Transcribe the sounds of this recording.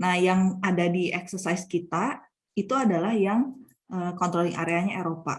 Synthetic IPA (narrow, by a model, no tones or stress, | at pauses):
nahjaŋadadiʔɛksərsaiskit̪a | it̪uadalahjaŋ | əːkɔnt̪ɾolɪŋʔa̰ɾeaɲaeɾopa̰